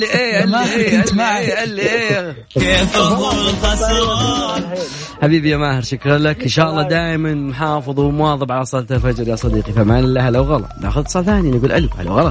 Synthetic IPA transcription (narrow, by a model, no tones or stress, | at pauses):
iʔeːʔaaːasmaʕiʔalːiʔː | keːf | as | ħabiːbijamaːhɪɾˤʃakɾlakɪnʃaːʔlːɑd̪aːjmanmʊħɑːfɨðˤwmʊwɑːðˤɨbʕalasˤɑːlt̪ˤalfad͡ʒɾjasˤɑd̪iːqiθamaːnɪlːahalawɣɑlɑ̰t̪ˤna̰ːxʊðt̪sˤɑːlθaːninɡuːlʔa̰lha̰la̰wɣɑlɑˤ